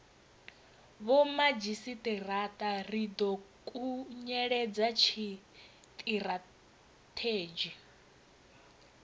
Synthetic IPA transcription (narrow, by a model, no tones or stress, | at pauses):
βɔmad͡ʒisit̪ʼirat̪ʼarid̪ɔkʼuɲɛɺɛd͡zat͡ʃʰi | t̪ʼiɾa | t̪ʰeːd͡ʒi